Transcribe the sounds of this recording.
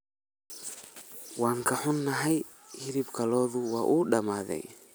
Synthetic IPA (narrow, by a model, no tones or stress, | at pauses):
waːŋkʰɐħʊnːɐɦɛj | hɪɾibkʰɐlɔːðʊwaːʔuːɗɐmaːðɛ̰j